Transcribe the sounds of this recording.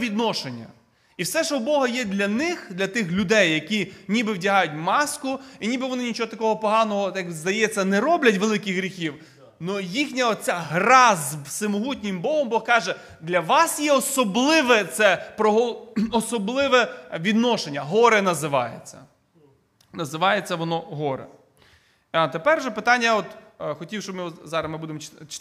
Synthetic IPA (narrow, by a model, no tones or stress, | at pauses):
ʋʲid̪nɔʃenʲːɐ̰ | iwsɛʃɔwbɔɦɐjɛd̪lʲɐnɪxd̪lʲɐt̪ɪxlʲʊd̪ɛjːɐkʲinʲibɪwdʲɐɦɑjʊt̚ʲmɑskʊinʲibɪʋɔnɪnʲit͡ʃɔɦɔt̪ɐkɔɦɔpɔɦɑnɔɦɔjɐkzd̪ɐjɛt͡sʲːɐnɛɾɔblʲɐt̬ʲʋelˠɪkɪxɦɾʲixʲiw | nujixnʲɐɔt͡sʲaɦɾɑzbsɪmɔɦutʲnʲɪmbɔɦɔmbɔɦkɑʒɛ | d̪lʲɐʋɑsjɛɔsɔblˠɪʋɛt̪sɛpɾɔɦɔɔsɔblˠɪʋɛʋʲid̪nɔʃenʲːɐɦɔɾɛnɐzɪʋɑ̰jḛt͡sʲːɐ̰ | nɐzɪʋɑjet͡sʲːɐʋɔnɔɦɔɾɛ̰ | ɑt̪epɛrʒɛpɪt̪ɑnʲːɐɔt̪xɔtʲiwʃɔbmɪzɑɾɐsmɪbud̪emɔt͡ʃ